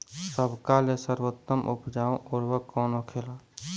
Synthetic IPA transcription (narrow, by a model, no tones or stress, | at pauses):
səbʱkalesəɾwot̪ːəmʔʊ̰pd͡ʒaːõʔoːɾwəkɔːnokʰeːla